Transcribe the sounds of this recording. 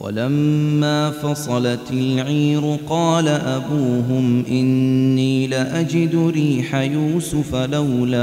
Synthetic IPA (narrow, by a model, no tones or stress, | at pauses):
wa̰lamːaːfɑsˤɑlɑt̪ɪlʕiːɾʊqɑːlaʔabuːɦʊmʔɪnːiːlaʔad͡ʒɪd̪ʊɾiːħajuːsʊfalawlaː